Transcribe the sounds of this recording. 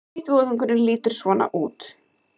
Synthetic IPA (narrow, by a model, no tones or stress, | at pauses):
it̪voːwðʏŋkʏɾɪnliːt̪ʏɾ̥svɔːna̰ʔuːt̪